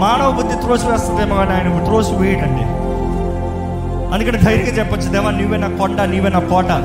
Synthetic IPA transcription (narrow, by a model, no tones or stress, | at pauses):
maːɳɐʋɐbud̪ːit̪ɾoːsuʋɛːst̪ɐnd̪ɛːmɐɡaːniaːjnɐt̪ɾoːsuʋeːjiʈɐɳɖḭ | ɐnd̪ukɐnid̪ʱɐjɾiɡaːt͡ʃɛpːɐt͡ʃːud̪ɛːʋaːniːʋenaːkoɳɖɐniːʋenaːkɔːʈɐ